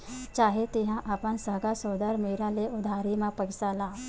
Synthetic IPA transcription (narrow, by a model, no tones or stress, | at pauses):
t͡ʃaːɦet̪eɦãʔaːpənsəɦɡasoːd̪əɾmeːɾaleʔʊd̪ʱaːɾimãpəɡsalaː